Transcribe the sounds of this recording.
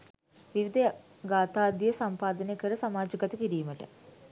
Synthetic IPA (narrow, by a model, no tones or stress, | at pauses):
ʋiʋid̪ʱə | ɡaːt̪aːd̪jjəsampaːd̪ənekəɾəsamaːd͡ʒəkɐt̪əkiɾiːməʈə̰